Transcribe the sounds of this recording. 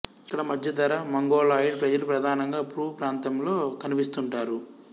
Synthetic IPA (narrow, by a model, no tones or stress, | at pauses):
kːɐɽɐmɐd̪ʱjɐd̪ɐɾɐmɐŋɡɔːɭaːjiɖpɾɐd͡ʒɐlupɾɐd̪ʱaːnɐŋɡaːpɾuːpɾaːnt̪ɐmlo̞ːkɐnipist̪uɳʈaːɾu